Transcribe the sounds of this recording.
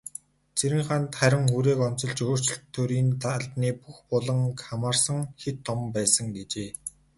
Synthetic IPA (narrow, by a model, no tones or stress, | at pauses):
t͡sʰeɾɘ̆ŋχant̪χæɾʲɪ̆ŋuːɾeːkɔn̥t͡sɞ̆ɮt͡ɕɵːr̥t͡ɕɪ̆ɬt̪ʰːoːɾiːnt̪ʰaɮt̪niːpuxpʊɮə̆ŋkamaːrsə̆ŋxet̪ʰːɔmpæːsə̆ŋɡet͡ɕeː